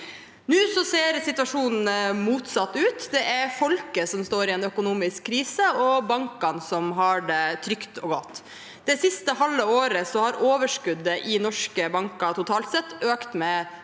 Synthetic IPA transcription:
nʉːsɔseːɾsɪt̪ʉɑʂuːnn̩muːt̪sɑt̪ːʉːt̪d̪ɛʔæɾfɔlkəsɔmst̪oːɾɪɛːnœkʊnuːmɪskʰːɾiːsəɔbɑŋkɑnsɔmɦɑɖɛt̪ʰɾʏkt̪ɔːɡɔt̪ː | d̪ɛsɪst̪əhɑlːəoːɾəsɔhɑɾʔoːʋəʂkʉd̪ːəʔɪnɔʂkəbɑŋkɑt̪ʰʊt̪ʰɑːlt̪sɛt̪ːøːkt̪mɛ

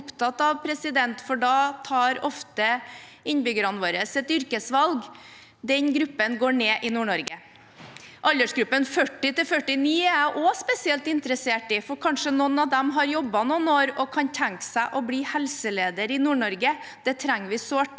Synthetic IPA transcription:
ʊpt̪ʰɑt̪ːɑʋpʰɾɛsɪd̪ɛnt̪fɔɖɑt̪ʰɑːɾɔft̪ə | ɪnbʏɡəɾɑnʋoːɾəsɛt̪ʏɾkəsʋɑlɡ | d̪ɛnɡɾʉpːənɡoːɳeːʔɪnuːɳɔɾɡə | ʔɑlʲəʂɡɾʉpːənfœʈːɪt̪ɪlfœʈːɪniːæʔospɛsɪɛlt̪ɪnt̪ɾəseːʈɪfɔɾkʰɑnʂənɔnɑʋd̪ɛmɦɑɾjɔbːɑnɔnoːɾɔkʰɑnt̪ʰæŋksæɪʔɔbliːhɛlsəleːd̪əɾɪnuːɳɔɾɡəd̪̥ɛt̪ʰɾæŋːʋɪsoːʈ

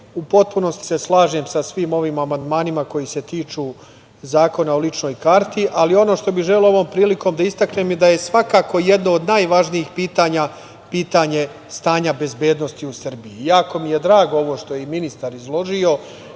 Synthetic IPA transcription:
upo̞t̪̚puno̞st̪i̥seslˠaːʒe̞msasʋiːmo̞ʋiːmamand̪maːnimako̞jise̞t̪iːt͡ʃuː | zaːko̞naolˠit͡ʃno̞ːjkaɾt̪iʔalio̞no̞ːʃt̪o̞biʒeloo̞ʋo̞ːmpɾiːliko̞ːmd̪aist̪akne̞ːmjed̪aje̞sʋakaːko̞jed̪noːd̪najʋaʒniixpiːt̪aːɲa | piːt̪aɲe̞ | st̪aːɲabe̞zbe̞ːd̪no̞st̪iusr̩biijaːko̞mije̞d̪ɾaːɡoo̞ʋo̞ːʃt̪o̞jeiminist̪aɾizlˠo̞ʒio̞

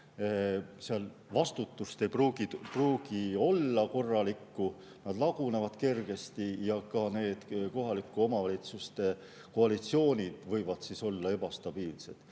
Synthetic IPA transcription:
seɑl | vɑst̪ut̪ːˑust̪e̞jpruːɡ̥ipruːɡ̥io̞lːɑko̞rːɑlikːu | nɑd̪lɑɡ̥unevɑd̪̥ke̞rɡ̥e̞st̪ijɑkɑne̞ːd̪̥ko̞ɦɑlikːˑuo̞mɑvɑlʲit̪sust̪e̞ | ko̞ɑlit̪sio̞ːnʲid̪̥vɤjvɑd̪̥siso̞lːɑe̞b̥ɑst̪ɑb̥iːlse̞d̪̥

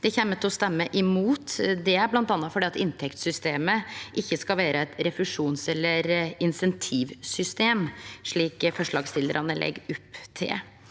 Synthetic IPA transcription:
d̪̥ɛçɛmːət̪ʰɔst̪ɛmːəʔɪmuːt̪d̪ɛæɾblɑnt̪ɑnːɑfɔɖiːɑt̪ɪnt̪ʰɛkt̪sʏst̪eːməʔɪçːəskɑlʋæːɾəɛt̪ɾɛfʉʂuːnsɛlːəɾɪnsɛnt̪ʰiːʋsʏst̪eːmʂɭiːkfɔʂɭɑːɡst̪ɪləɾʔɑnəlʔɛ̰ɡʊpːt̪ʰɪ̰

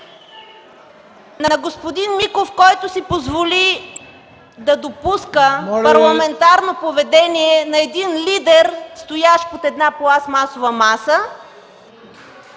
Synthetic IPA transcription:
nɐnɐɡospod̪inmikofkɔjt̪ʊsipozvoli | d̪ɐd̪opuskəpɐɾlˠɐmɛnt̪aɾnopovɛd̪ɛniɛnɐɛd̪inlid̪ɛɾst̪ojaʃpot̪ɛd̪naplˠasmasovɐmasə

